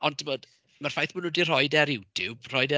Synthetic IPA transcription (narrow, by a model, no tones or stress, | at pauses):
ɔntʰimoːd | marfajθmənudir̥ɔjdɛɾjɪwd̥ʰɪb̥r̥ɔjdɛ